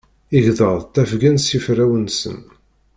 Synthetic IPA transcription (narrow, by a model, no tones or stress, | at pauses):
iʝðəʁˤt̪ːæfɡænsifɾæwənsə̰n